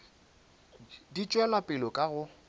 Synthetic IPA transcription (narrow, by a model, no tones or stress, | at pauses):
dit͡ʃʼwɛlapʼɪlɔkʼaɣʊ